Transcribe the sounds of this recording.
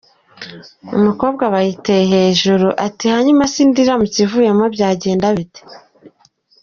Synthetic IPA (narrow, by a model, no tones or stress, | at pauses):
ṵmuko̞ːbɡaβajitejeɦe̞ːʒuɾuʔatihaɲumasiːndiɾamucivuːje̞mo̞bɟaːɟe̞ːndaβite̥